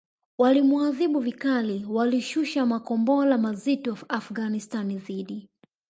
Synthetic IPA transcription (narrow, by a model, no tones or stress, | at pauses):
walimuaðiɓuvikaliwaliʃuʃamakɔmbɔlamazitɔafɡanistaniðiɗi